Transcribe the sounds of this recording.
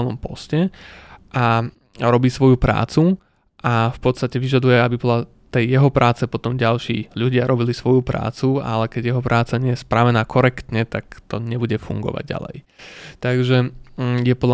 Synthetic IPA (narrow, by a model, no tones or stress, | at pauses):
lnɔmpɔ̰scɛʔa | ɾɔbiːsʋɔjupɾa̰ːt͡su | ʔafpɔt̪st̪acɛʋiʒad̪ujɛabibɔla | t̪ɛjːɛɦɔpɾʔaːt͡sɛpɔt̪ɔmɟalʃḭːʎuɟɪaɾʔɔbilisʋɔjupɾa̰ːt͡sua̰lɛkɛɟjɛɦɔpɾaːt͡saɲɪɛjɛspɾaʋɛnaːkʰɔɾɛkt̪ɲɛt̪akt̪ɔɲɛbuɟɛfṵŋɡɔ̰ʋa̰ɟ̚ɟa̰lɛ̰j | t̪aɡʒɛjɛpɔd̪la